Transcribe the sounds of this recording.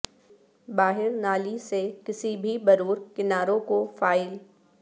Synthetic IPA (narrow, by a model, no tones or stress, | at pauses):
baːɦɪɾnaːlisekɪsibʱibɐɾuːɾkɪnaːɾõkofaːɪl